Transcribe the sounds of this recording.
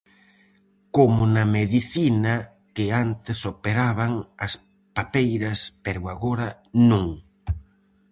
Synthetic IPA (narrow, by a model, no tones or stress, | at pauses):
komʊnɐmeðiθina | kɪant̪ɪsopeɾaβaŋɐs | papejɾɐspeɾwaɣoɾa | nũŋ